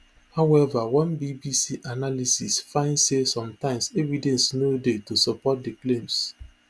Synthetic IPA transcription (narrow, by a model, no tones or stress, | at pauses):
hawɛvawɛ̃nbibisiʔanalisisfãɪ̃ndsesɔ̃mtãɪ̃msevidɛ̃nsnodetusɔpɔt̚diklẽms